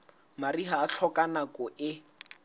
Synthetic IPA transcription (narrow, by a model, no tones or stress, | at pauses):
mariɦaːɬʰɔkanakɔʔɪ